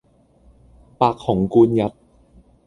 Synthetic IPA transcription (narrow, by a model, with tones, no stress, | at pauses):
paː˨˩kʰːɔː˩˦ŋkuː˧nja˨˦˥t̪̚